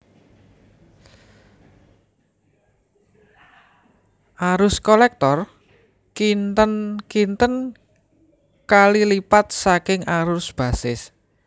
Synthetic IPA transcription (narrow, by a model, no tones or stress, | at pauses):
ʔaɾʊskolɛk̚t̪ɔr | kint̪ənkint̪ən | kalilipat̪̚sakɪŋaɾʊsb̥ä̤sɪs